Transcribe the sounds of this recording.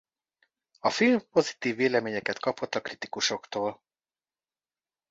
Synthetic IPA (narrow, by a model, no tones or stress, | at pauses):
ɒfilmpo̞zit̪iːvːeːlɛmeːɲɛkɛt̪kɒpo̞t̪ːɒkrit̪i̥kuʃo̞kt̪oːl